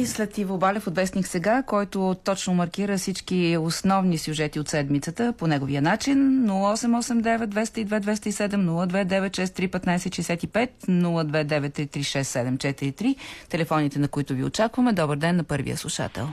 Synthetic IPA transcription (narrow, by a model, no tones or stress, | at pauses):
islɛt̪ivobalʲɛfot̪vɛsniksɛɡakɔjt̪ʊt̪ɔt͡ʃnomɐɾkiɾəfsit͡ʃkiosnɔvnisʲjuʒɛt̪iot̪sɛd̪mit̪sət̪əponɛɡoviənat͡ʃinnulˠəɔsɛmɔsɛmd̪ɛvɛt̪̚d̪vɛst̪əid̪vɛd̪vɛst̪əisɛd̪ɛmnulˠəd̪vɛd̪ɛvɛt̪ʃɛst̪ɾipɛt̪najɛsɛʃɛɛsʲat̪ipɛt̪nulˠəd̪vɛd̪ɛvɛt̪ːɾit̪ɾiʃɛst̪ːɛd̪ɛmt͡ʃɛt̪iɾit̪ɾit̪ɛlɛfɔnit̪ɛnɐkʊit̪ʊvio̰t͡ʃakvəmɛd̪ɔbəɾd̪ɛnːɐpɤɾvḭə̰slˠuʃa̰t̪ɛ̰lˠ